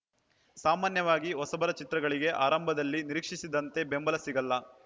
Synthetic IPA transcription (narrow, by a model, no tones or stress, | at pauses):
saːmaːnjɐʋaːɡiɦɔsɐbɐɾɐt͡ʃit̪ɾɐɡɐɭiɡe̞ʔaːɾɐmbʱɐd̪ɐlːiniɾiːkʂisid̪ɐnt̪e̞be̞mbɐlɐsiɡɐlːɐ